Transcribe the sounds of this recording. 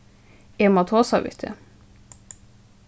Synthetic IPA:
emɑt̪ʰoːsɑʋɪ̰t̪ʰə̰

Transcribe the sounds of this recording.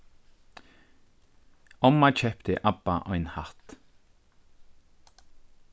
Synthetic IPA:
ɔmat͡ʃʰɛpt̪ɪʔabaʔɔjnhat̪

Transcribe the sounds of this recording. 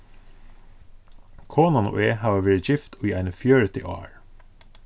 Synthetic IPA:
kʰoːnɑno̰ːeːhɑːʋəʋeːɹəçɪft̪oːiːʔæɪnəfjøːɹət̪ʰɪ̰ʔɑ̰ːɹ

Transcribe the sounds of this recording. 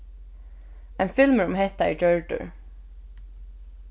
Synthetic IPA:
ɛnfɪlmɾʊmɦɛht̪aɛ̰ɹd͡ʒœɹt̪ʏ̰ɹ

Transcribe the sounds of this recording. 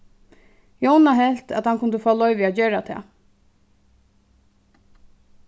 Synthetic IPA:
jownaɦɛlt̪a̰t̪hankʊnd̪əfɔːlɔʏʋɪad͡ʒeːɹat̪ʰɛ̰ː

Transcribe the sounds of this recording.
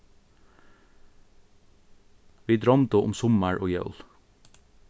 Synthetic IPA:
ʋiːd̪ɾɑmd̪əʔʊ̰msʊməɹʔoːjɑ̰ʉl

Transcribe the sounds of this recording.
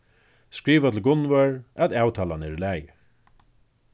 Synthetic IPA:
skɾiːʋat̪ʰɪlɡʊnʋœɹæt̪aːwt̪ʰaːlanɛɾlæːjɪ

